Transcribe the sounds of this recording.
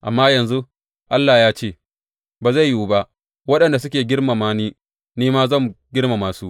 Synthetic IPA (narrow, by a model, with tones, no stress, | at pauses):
ʔa˨mːaː˦jɐ˨nzu˦ | ʔa˦lːaː˨jaː˦t͡ʃeː˦˨ | baː˨za˦˨jjuː˦ba˦ʔ | wɐ˦ɗɐ˨nda˨s̬ʊ˦kʲeː˨ɡʲɪ˦rma˨maː˦niː˦ | niː˦maː˦zɐ˦˨mɡʲɪ˦ɽma˨maː˨suː˦ʔ